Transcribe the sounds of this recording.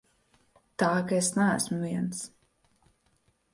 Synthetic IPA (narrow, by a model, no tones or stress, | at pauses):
t̪aːkaesnæːsmuviɛns